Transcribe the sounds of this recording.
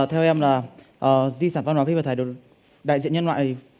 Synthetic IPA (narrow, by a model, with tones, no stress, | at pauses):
t̪ʰɛ˧wʔɛ˧mlaː˨˩ | ʔːzi˧saː˧˩va˧nwaː˨˦fi˧vaː˨˩t̪ʰːɗo˨˩ | ɗa̰˧˨zḭ˧˨nɲə˧nwa̰ː˧˨˩